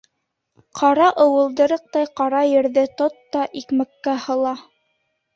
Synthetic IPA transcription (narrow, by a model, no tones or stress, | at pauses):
qʰɑɾɑʔɤ̆wɤ̆lˠd̪ɤ̆ɾɤq̚t̪ɑjqɑɾɑjɘ̆ɾðɘt̪ot̪ːɑʔikmɘ̆kːæhɤ̆lˠɑ